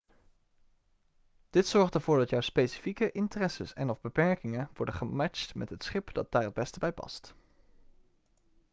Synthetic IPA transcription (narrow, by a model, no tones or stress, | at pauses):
d̥ɪtsɔɹχtəɹv̥ʊːɹdɑtjɔwspejsi̥fikəʔɪntərɛsəsɛ̰nɔvbəpɛɹkɪŋəʋɔɹdəχəmɛt͡ʃtmɛtɦətsχɪpdɑd̚d̥aːɹɦəd̚bɛstəbɛjpɑ̰st